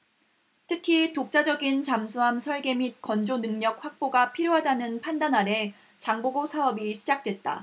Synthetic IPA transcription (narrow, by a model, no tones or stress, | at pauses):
tʰɯkʰitok̚t͡ɕ͈ad͡ʑʌɡint͡ɕamsʰuɦamsʰʌɭɡe̞mit̚kʌnd͡ʑonɯŋɲʌk̚ɸwak̚p͈oɡapʰiɾjoɦadanɯnpʰandanɦaɾe̞ | t͡ɕaŋboɡosʰaʌbiɕʰid͡ʑak̚t͈we̞t̚t͈a̰